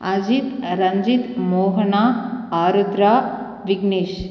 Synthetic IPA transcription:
ad͡ʒit̪ɾɐɲd͡ʒit̪moːɦənaaːɾud̪ɾa | ʋiɡneːʃ

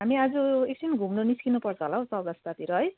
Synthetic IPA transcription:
ɦamiad͡zʌek̚sʰinɡʱumnoniskinupʌrt͡sʰʌɦolaɦõsʌɡʌst̪at̪iɾʌɦʌj

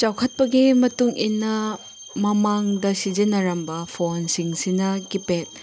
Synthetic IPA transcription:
t͡ʃawkʰɐt̚pɐɡimɐtuŋinɐ | mɐmaŋdɐsid͡ʒinːɐɾɐmbɐpʰonsiŋsinɐkipet̚

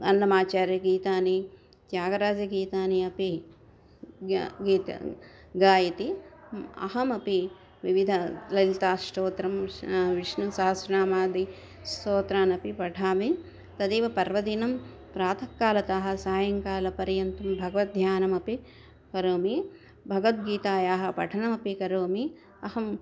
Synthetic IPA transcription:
ɐ̰nːɐmaːt͡ʃaːɾjɐɡiːt̪aːni | t̪jaːɡɐɾaːd͡ʒɐɡiːt̪aːniɐpi | ɡiːt̪ | ɡaːjɐt̪i | ɐ̰ɦɐmɐpi | ʋiʋid̪ʱɐlɐlt̪aːʂʈoːt̪ɾɐmʋiʂnusaːɐsɾɐnaːmaːd̪i | st̪oːt̪ɾaːnɐpipɐʈʰaːmi | t̪ɐd̪iːʋɐpɐɾʋɐd̪inɐm | pɾaːt̪ʰɐkːaːlɐt̪ɐɦɐ̆saːjɐŋkaːlɐpɐɾjɐnt̪ɐmbʱɐɡɐʋɐt̪̚d̪ʱjaːnɐmɐpi | kɐɾoːmi | bʱɐɡɐʋɐt̪̚ɡiːt̪aːjaːɦɐpɐʈʰɐɳɐmɐpikɐɾoːmi | ɐhɐm

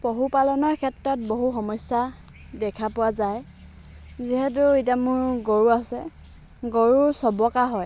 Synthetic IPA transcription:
poɦupalɔnɔɹkʰɛtɹɔt̚boɦuxɔmɔjsa | dɛkʰapʊwazaj | ziɦɛt̬ʊit̬amʊɹɡoɹuasɛ | ɡoɹusɔbɔkaɦɔj

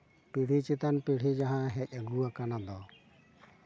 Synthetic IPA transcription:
piɽ̤it͡ʃit̪anpiɽ̤id͡ʒaɦãɦɛcaɡuakanad̪ɔ

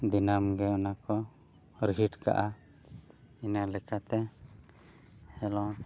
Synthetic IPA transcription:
d̪inamɡɛɔnakɔ | ɾiɦiʈka̰ʔa | inalɛkat̪ɛ | hɛlɔ

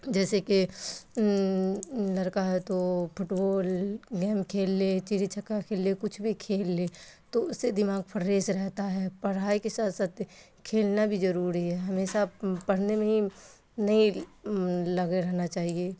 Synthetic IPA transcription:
d͡ʒɛːseke | lɐɾkaɦɛt̪opʰʊʈboːlɡɛːmkʰeːlːet͡ʃiɾit͡ʃʰɐkːakʰeːlːekʊt͡ʃʰbʱikʰeːlːeːt̪oʊsːed̪ɪmaːɡ̚pʰɐɾːeːsɾɛɦt̪aɦɛːpɐɽ̤aːekesaːt̪ʰsaːt̪ | kʰeːlnabʱizɐɾuːɾiɦɛɦɐmeːʃapɐɽ̤nemẽɦi | nɐɦĩ | lɐɡeɾɛɦnat͡ʃaːɦieː

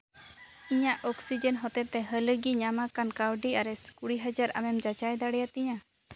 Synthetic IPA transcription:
iɲaʔɔksid͡ʒənɦɔt̪ɛt̪ːɛɦələɡiɲamakankawɖiaɾɛskuɽiɦad͡ʒaɾa̰mɛmd͡ʒat͡ʃajd̪aɽɛjat̪ɛɲa

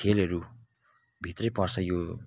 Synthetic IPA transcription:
elɦʌɾu | bʱit̪rʌjpʌrt͡sʰʌjo

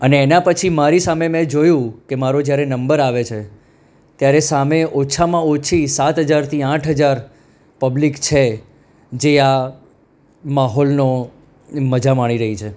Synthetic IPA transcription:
əneːnapət͡ʃʰimaɾisamemɛ̃d͡ʒojũkemaɾod͡ʒjaɾenəmbəɾaʋet͡ʃʰe | t̪jaɾesameʔot͡ʃʰamãot͡ʃʰisat̪ɦəd͡ʒaɾt̪ʰiãʈʰɦəd͡ʒaɾ | pəblikt͡ʃʰe | d͡ʒea | maɦɔlno | məd͡ʒamaɽ̃iɾəɦit͡ʃʰe

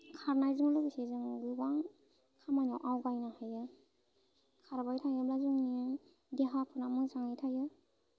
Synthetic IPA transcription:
kʰaɾnajzɯŋlɯbisezɯŋɡubaŋ | kʰamajnawʔawɡajnahajɯ | kʰaɾbajtʰajɯblazɯŋni | deɦapʰɯnamɯŋsaŋɯjtʰajɯ

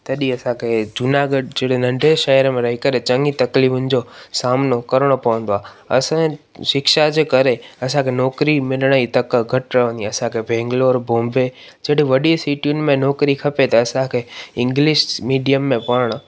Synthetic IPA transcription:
t̪ɐɗiɐsãkʰed͡ʑʊnaːɡəɖd͡ʑeɽenɐ̃ɳɖʱeʃɐɦəɾmẽɾɐɦikɐɾet͡ɕɐŋɡit̪ɐklifʊnɪ̆d͡ʑosaːmnokɐɾəɽ̃opɐʋə̃n̆d̪oaː | ɐ̰sã | ʃɪkʃad͡ʑeːkɐɾeɐsãkʰenɔːkɾimɪləɽ̃it̪ɐkɡʱɐʈɾɐʋə̃nd̪iɐsãkʰebʱɛ̃ːŋɡloːɾbõːmbe | d͡ʑeɽiʋɐɗisiːʈijʊnɪ̆mẽnɔːkɾikʰɐpet̪ɐːsãkʰeːɪ̃ŋɡlɪʃmiːɖijəmːẽpɐɽəɽ̃

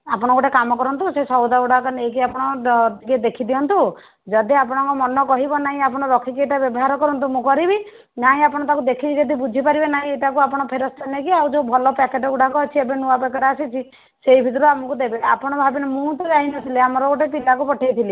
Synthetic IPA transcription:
apɔɽ̃ɔkoʈekamɔkɔɾɔnt̪usesɔwd̪auɽakɔnek̬iapɔɽ̃ɔt̪iked̪ekʰid̪iɔnt̪u | d͡ʒɔd̪iapɔɽ̃ɔ̃ŋkɔmɔnɔkɔɦibɔnaɦĩapɔɽ̃ɔɾɔkʰikeʈabjɔbɔɦaɾɔkɔɾɔnt̪umũkɔɾibi | naɦĩapɔɽ̃ɔt̪akud̪ekʰid͡ʒɔd̪ibud͡ʒʱipaɾibenaɦĩeʈakuapɔɽ̃ɔpʰeɾɔst̪ʰanekiawd͡ʒobʱɔlɔpɛkeʈɔuɽakɔːt͡ʃʰiebenuwapɛkeʈasit͡ʃʰi | seibʱit̪ɔɾɔamɔkud̪ebea̰pɔɽ̃ɔbʱabinemũt̪ɔɾaɦinɔt̪ʰileamɔɾɔkoʈepilakupɔʈʰajt̪ʰili

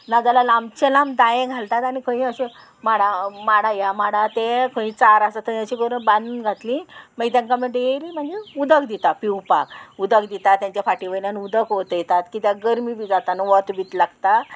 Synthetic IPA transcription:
nad͡zalalãmt͡ɕelamd̪ajẽɡʱalt̪at̪añikʰə̃ĩəɕe | maɽamaɽajamaɽat̪ẽkʰə̃ĩt͡saɾasat̪əjat͡ɕiɡəɾəbãnd̪unɡʱat̪lĩmaɡt̪jãŋkaməɖeɾim̤əɳd͡zeud̪əkd̪it̪apiwpa̰kud̪əkd̪it̪at̪ːjãɲt͡ɕjafaʈiʋəlanud̪əkɦot̪jɛt̪at̪kit̪jaɡəɾmiʋid͡zat̪anəʋət̪ʋit̪laɡt̪a

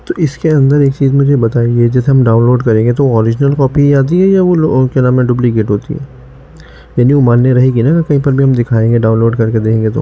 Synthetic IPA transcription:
t̪oɪskeɐ̃nd̪əɾeːkt͡ʃiːzmʊd͡ʒʱebɐt̪aːied͡ʒɐseɦɐmɖaːʊ̃nloːɖkɐɾẽːŋɡet̪̬oʋoɔːɾɪd͡ʒnəlkɔːpijaːt̪̬iɦɛjaʋolokenaːmẽɖʊblikeːʈɦoːt̪ḭɦɛ̰ː | jaːniumaːnːeɾɐɦikinakakɐɦĩpɐɾbʱiɦɐmd̪ɪkʰaːẽːɡeɖaːʊ̃nloːɖkɐɾked̪eːkʰẽːŋɡet̪o̰ː

